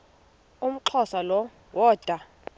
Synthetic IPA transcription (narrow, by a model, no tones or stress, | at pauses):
um̩ǃʰɔsalɔ | wɔːd̥ʱa